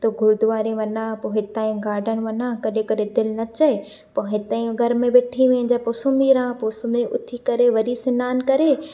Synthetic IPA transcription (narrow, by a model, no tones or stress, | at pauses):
t̪oɡʱʊɾd̪ʊʋaːɾẽʋɐnãːpoɦɪt̪aːĩɡaːɾɖən̆ʋɐnãːkɐɗẽkɐɗed̪ɪlnɐt͡ɕɐe | poɦɪt̪aːĩɡʱɐɾmẽʋeʈʰiʋẽɲd͡ʑaːpʊsʊmiːɾãːposʊmeʔʊ̰t̪ʰikɐɾeʋɐɾisɪnaːnkɐɾeː